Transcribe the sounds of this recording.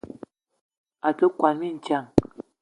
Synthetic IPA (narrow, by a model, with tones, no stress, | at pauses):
a˨tə˦kwa˨nmi˦˨n̩˨t͡ʃja˦˨ŋ